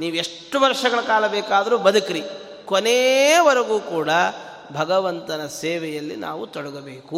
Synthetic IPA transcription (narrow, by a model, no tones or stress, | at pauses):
niːʋueʂʈːuʋɐɾʂɐɡɐɭɐkaːlɐbɛːkaːd̪ɐɾuːbɐd̪ukɾi | koneʋɐɾɐɡuːkuːɽɐ | bʱɐɡɐʋɐnt̪ɐnɐseːʋɛjɐlːḭnʔa̰ːʋut̪ɔɽɐɡɐbeːku